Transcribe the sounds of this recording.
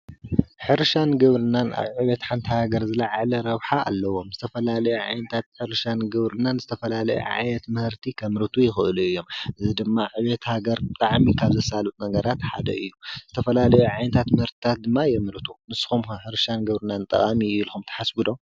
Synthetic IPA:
ħɨɾʃanɡɐβɾɨnanʔa̰βʕɨβet̪ħant̪ʰɨhaɡɐɾzɨlaʕalɐɾɐβħaa̰lːɐwo̞mzɨt̪ʰɐfɐlalɐjuʕajnɐt̪ʰat̪ħɨɾʃanɡɨβɾɨnːanzɨt̪ʰɐfɐlalɐ̰jṵʕa̰jɛt̪mɨhɨɾt̪ʰikʰɐmɾɨt̪ʰujɪxɨʔɨluɨjːo̞mʔɨzid̪ɨmːaʕɨβet̪haɡɐɾbɨt̪ʼaʕmikʰaβzɐsalɨʔnɐɡɐɾat̪ħa̰d̪ɐ̰ʔɨjːuz̥ɨt̪ʰɐfɐlalɐjuʕajnɐt̪ʰat̪mɨhɨɾt̪ʰi̥t̪ʰat̪̚d̪ɨmːajɛmɾɨt̪ʰumɨsxumħɨɾʃanɡɐβɾɨnant̪ʼɐ̰kʼamiɨlxumt̪ʰɐ̥ħasbɨd̪om

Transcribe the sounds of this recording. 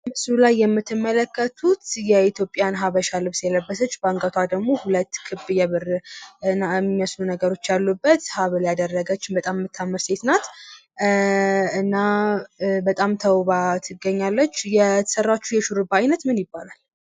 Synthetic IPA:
mɨsulajːɛmːɨt̪ʰːɨmːələkːət̪ʰut̪jɛit̪ʰjo̞pʼɪjanɦaβəʃalɨβsɨjɛləbːəsət͡ʃːbaŋɡʼət̪ʰad̪əɡmo̞hulət̪ːkʰɨbɨjɛβɨrnaɛmiməslunəɡəɾo̞t͡ʃːjalːubːət̪haβljad̪ərːəɡət͡ʃːɪbət̪ʼamːɨt̪ʰːamːɨɾse̞t̪nat̪ | ɨnːa | bət̪ʼamt̪ʰəwβat̪ʰɨɡːəɲːalːət͡ʃːjɛt̪ʰə̥sərːat͡ʃːujɛʃuɾɨbajnət̪mɨnjɪbːalal

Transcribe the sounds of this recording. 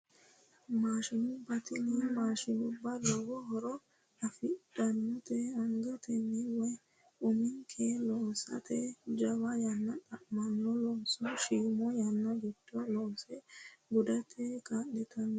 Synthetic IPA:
maːʃɪnʊbːɐt̪ɪnɛmaːʃɪnʊbːɐd̪ɔwɔɦɔɾɔ | ɐfɪdɐnːɔt̪ɛɔŋɡɐt̪ɛnːɛwɔ | ʊmɪŋkʰelɔːsɐ̰t̪ɛd͡ʒɐwɐjɐnːɐtʼɐʔmɐnːɔlɔsɔʃiːmɔjɐnːɐɡɪd̪ɔlɔːsɛɡʊd̪ɐt̪ʰɛkad̪ɛt̪ʰɐn

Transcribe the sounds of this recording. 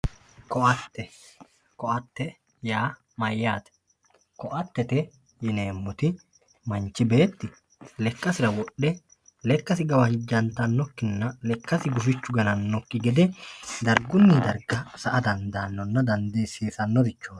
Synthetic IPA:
kɔʔɐt̪ːɛ | kɔʔɐt̪ːɛ | jaː | mɐjːaːt̪ɛ̥ | kɔʔɐt̪ːɛt̪ɛ | jɪne̞ːmːʊt̪ɪ | mɐnt͡ʃːɪbe̞ːt̪ːɪ | lɛkːɐsɪɾɐwɔɗːɛ | lɛkːɐsɪɡɐwɐhɪd͡ʒːɐnt̪ɐnːɔkːɪnːɐlɛkːɐsɪɡʊfɪt͡ʃːʊɡɐnɐnːɔkːɪɡɛd̪ɛd̪ɐɾɡʊnːɪd̪ɐɾɡɐsɐʔɐd̪ɐnd̪aːnːɔnːɐd̪ɐnd̪e̞ːsiːsɐnːɔd̪ɪt͡ʃːo̥ː

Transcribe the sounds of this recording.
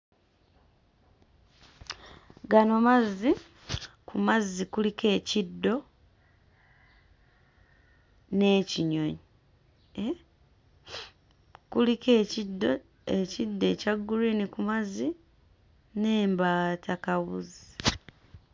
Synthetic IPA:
ɡano̞mazi | kumazikulike̞ːcidːo̞ | ne̞ːciɲo̞ɲi | e | kulike̞ːcidːo̞ | e̞cidːe̞ːcaɡːuɾinikumazi | ne̞ːmbaːtʰakaβṵzi

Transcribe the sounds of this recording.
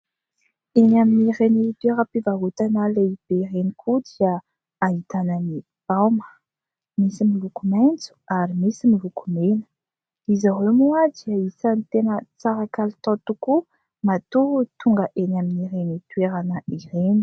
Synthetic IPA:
enaminirenit̪weɾəpivaɦut̪analeib̥erenikʰud̪iə | aɦit̪anəni | b̥awmə̥ | misimilukumajnt͡su̥aɾimisimilukumenə̥ | izaɦemuad̪iaisanit̪enət͡saɾakalit̪ɔ̃t̪uku | mat̪ut̪uŋɡəʔenaminiɾenit̪ueɾanəiɾeni̥

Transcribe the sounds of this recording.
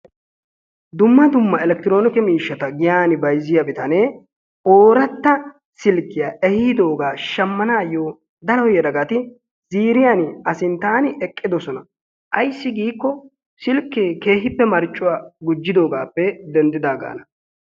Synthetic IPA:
d̪ʊmːɐd̪ʊmːɐɛlɛk̚t̪ɪɾo̞ːnɪkɛmiːʃːɐt̪ɐɡɪjaːnɪbɐjzɪjɐbɪt̪ɐneː | ʔoːɾɐt̪ːɐ | sɪlkːɪjaːʔɛhɪːd̪o̞ːɡaːʃɐmːɐnaːjoː | d̪ɐlɔjɛd̪ɐɡɐt̪ɪ | z̥iːɾɪjaːnɪɐsɪnt̪aːnɪʔɛkʼːɪd̪ɔsɔnɐ | ʔɐjsːɪɡiːkːɔ | sɪlkːeːke̞ːɦɪpːɛmɐɾt͡ʃʼːʊwaːɡʊd͡ʒːɪd̪o̞ːɡaːpːɛd̪ɛnd̪ɪd̪aːɡa̰ːnɐ

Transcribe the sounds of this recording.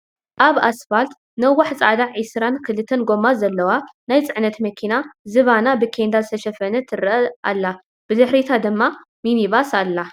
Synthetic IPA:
ʔaβa̰sfalt̪ | nɐwaħt͡sʼad̪aʕʕɨsɾankʰɨlɨt̪ʰːɐnɡo̞mazɐlːɐwanajt͡sʼɨʕnɐt̪mɐkʰinazɨβanabɨkʰend̪azɨt̪ʰɐʃɐfɐnɐt̪ʰɨɾɐʔa̰lːa | b̥ɨd̪ɨħɾit̪ʰad̪ɨmːa | miniβasalːa

